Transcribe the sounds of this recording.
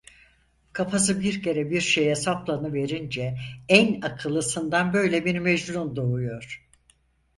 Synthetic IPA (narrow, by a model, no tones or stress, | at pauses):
kʰapʰas̬ɯbiɾcʰe̞ɾɛbiɾʃejɛsaplˠanɯve̞ɾind͡ʒɛænakʰɯlˠɯsɯnd̪anbø̞jlʲɛbiɾmed͡ʒɾund̪oujo̞ɾ̥